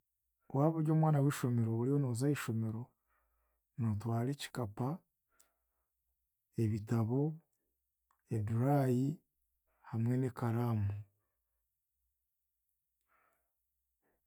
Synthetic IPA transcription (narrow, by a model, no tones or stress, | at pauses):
waːβuɾjɟo̞ːmwaːnawiːʃo̞me̞ɾo̞βuɾio̞noːzaiʃo̞me̞ɾo̞ | notwaːɾeːci̥kapa | e̞βitaβo̞ | eduɾaːji | hamwe̞ne̞kaɾaːmu